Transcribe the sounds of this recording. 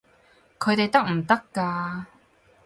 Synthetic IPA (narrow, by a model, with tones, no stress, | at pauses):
kʰɵ˨˧ɥt̪e˨jt̪ɐ˥k̚m̩˨˩t̪ɐ˥kːaː˧